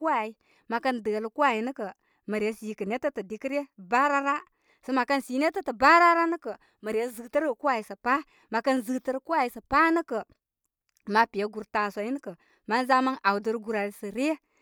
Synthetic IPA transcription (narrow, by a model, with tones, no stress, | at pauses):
ku˦a˨i˦ | ma˨ka˦ndə˨lku˦wa˦ji˨nə˦kə˨ | mə˨ɾje˦si˨kə˨ne˦tə˦tə˨di˨kə˦ɾe˦ba˦ɾa˦ɾa˦ | sə˦ma˨ka˦nsi˨˦ne˦tə˦tə˨ba˦ɾa˦ɾa˦nə˦kə˨ | mə˨ɾje˦zə˨tə˦ɾku˦a˨ji˨˦sə˨pa˦ | ma˨kə˦nzə˨tə˦ɾku˦a˦ji˨˦sə˨pa˦nə˦kə˨ | ma˨pi˨ja˦ɡu˨ɾta˨sʷa˨i˦nə˦kə˨ | ma˦n˦za˦ma˦na˨wu˨də˦ɾɡu˨ɾa˨ɾi˨sə˨ɾe˦